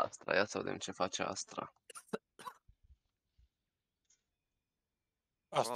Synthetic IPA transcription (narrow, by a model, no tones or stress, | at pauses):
a̰st̪ɾa̰jasəved̪ḛmt͡ʃe̞fat͡ʃea̰st̪ɾa̰ | a